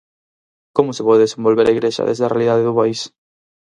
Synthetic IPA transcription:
komʊsepɔðeðesẽmbolβeɾʔaiɣɾeʃɐ̰ðḛzðarealiðað̞eðʊpais

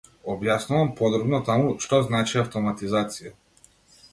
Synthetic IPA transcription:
ɔbjasnuvampɔd̪ɾɔbnɔt̪amuʃt̪ɔznat͡ʃiaft̪ɔmat̪izat̪sija

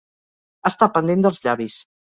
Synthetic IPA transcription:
ast̪apənd̪end̪əlˠzʎaβis

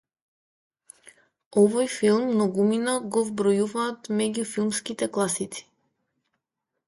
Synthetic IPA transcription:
ɔvɔjfilˠmːnɔɡuminaɡɔvbɾɔjuvaːt̪mɛɟufilˠmskit̪ɛklˠasit̪si̥

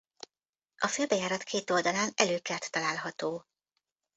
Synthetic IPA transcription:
ʔɒføːlbɛjaːɾɒt̪kʰeːt̪o̞ld̪ɒlaːnɛløːkɛrt̪ːɒlaːlɦɒt̪oː

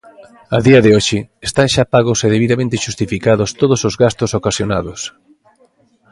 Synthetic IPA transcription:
ɐðiɐðɪoʃɪest̪aŋʃapaɣʊseðeβiðamẽnt̪ɪʃust̪ifikaðʊst̪oðʊsozɣast̪osokasjonaðʊs

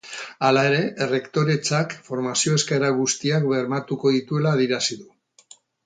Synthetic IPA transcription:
alae̞ɾe̞re̞kt̪o̞ɾe̞t͡ʃakfo̞ɾmasio̞e̞skeɾaɣ̞ust̪iakβe̞ɾmat̪uko̞ðit̪ue̞laːðiɾasiðu

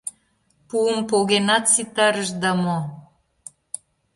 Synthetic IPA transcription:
puəmpoɣenɑt̪sit̪ɑɾəʃd̪ɑmo

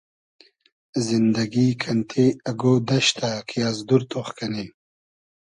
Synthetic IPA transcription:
zɪnd̪aɡikʰant̪ʰeaɡod̪ɐʃt̪ʰakʰijazd̪uɾt̪oχkani

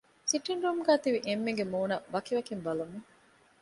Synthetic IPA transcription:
siʈːiɳɾumɡæːt̪iʋiʔemːeŋɡemuːnɐʋɐkiʋɐkimbɐlumːi

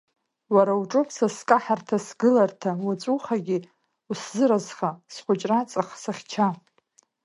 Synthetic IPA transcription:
waɾawuʈ͡ʂʼopʰsaskʼaħartʰasɡɨlartʰawat͡sʷʼuχaɡʲi | uszɨɾazχasχʷʊt͡ʃʼrat͡sʼaχsaχʲt͡ʃʰa

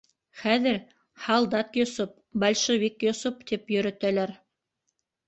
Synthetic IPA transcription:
χæðɘɾ | hɑlˠd̪ɑt̪josup̚ | bɑlʲʃovikjŏsupt̪ipjɵ̆ɾɵ̆t̪ælæɾ

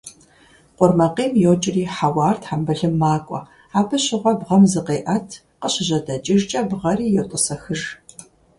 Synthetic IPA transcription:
qʷʼʊrmɐqiːmjowt͡ʃʼɪriːħawɑːrtʰħambɐɮɨmːaːkʷʼɔ̰ | aːpʰɨɕɪʁʷɐbʁɐmzɨqeːʔɐtʰ | qəɕɪʑɐdɐt͡ʃʼɪrt͡ʃʼɐbʁɐriːjɛwtʼʊsɐxɨr

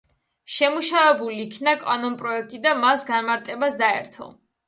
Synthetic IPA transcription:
ʃɛmuʃavɛbuliːkʰnakʼanɔnpʼɾɔɛk̚ʰt̪ʼid̪amasɡanmaɾt̪ʼɛbasd̪aɛ̰ɾt̪ʰɔ̰

